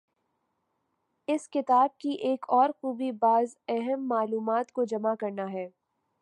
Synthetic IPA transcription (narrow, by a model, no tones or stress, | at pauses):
ɪskɪt̪aːb̚kiʔeːkʰɔːɾxuːbibaːzɛɦəmːaːluːmaːt̪kod͡ʒɐmakɐɾnaɦɛː